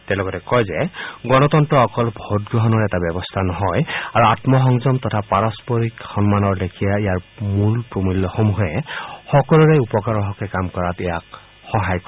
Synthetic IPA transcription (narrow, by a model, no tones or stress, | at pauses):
tɛlɔɡɔtɛkɔjzɛɡɔnɔtɔntɹɔɔkɔlbʱotɡɹɔɦɔnɔɹɛtabɛbɔstʰanɔɦɔjaɹuatmɔxɔŋzɔmtɔtʰapaɹɔspɔɹikxɔnmanɔɹdekʰijaijaɹmulpɹomilːɔxomuɦɛxɔkɔluɹeupɔkaɹɔɦɔkɛkamkɔɹatɛjak | xɔɦajkɔ